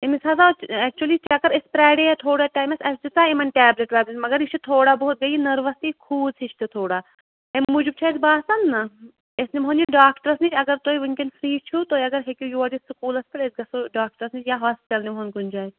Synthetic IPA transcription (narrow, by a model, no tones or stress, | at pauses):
emisazat͡ʃɛk̚t͡ʃuɐlit͡ʃɐkɐɾespɾaːɖeːat̪ʰoːɽaːʈaːjmɐsɐsd͡ʒut̪aːimɐnʈɛːbleʈʋaːblenmɐɡɐɾit͡ʃʰut̪ʰoːɽaːboɦut̪̚ɡɐjinɐɾʋɐst̪ikʰuːsʰit͡ʃʰt̪ɨt̪ʰoːɽaː | emmud͡ʒub̚t͡ʃʰat̪baːsɐnːɐ | esnimɦond͡ʒiɖaːkʈɐɾɐsnit͡ʃɐɡɐɾt̪oːiʋinkenfɾiːt͡ʃʰut̪oːjɐɡɐɾɦekʲujuɐʈisukuːlɐspɐɽezɡɐsoɖaːk̚ʈɐɾɐsnit͡ʃjaɦaːspɪʈʲɐlnimɦonkunʲd͡ʒaːj